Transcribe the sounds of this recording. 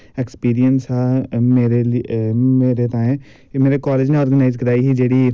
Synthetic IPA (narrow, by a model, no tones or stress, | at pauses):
ɛkspiːɾijənsaːmeːɾe | meːɾet̪aːẽ | meːɾekɔːled͡ʒnẽɔːɾɡənaːɪzkəɾaːiːɦiːd͡ʒeːɽiː